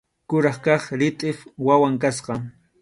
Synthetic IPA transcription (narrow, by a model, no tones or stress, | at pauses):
kʊɾɑχkɑχɾɪt̪ʼɪfwawaŋkasqɑŋ